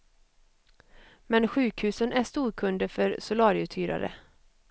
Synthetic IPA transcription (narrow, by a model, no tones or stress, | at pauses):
mɛnɧʉ̟ːkhʉ̟ːsənʔæʂt̪uːɾkʰɵnd̪əfœɾsʊlɑːɾɪʉt̪ʰyːɾa̰ɾə̰